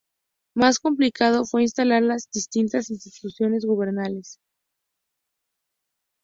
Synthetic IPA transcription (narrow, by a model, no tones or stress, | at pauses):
masko̞mplikað̞o̞fwe̞inst̪alaɾlazðist̪int̪asinst̪it̪usjo̞ne̞zɣuβ̞e̞ɾnale̞s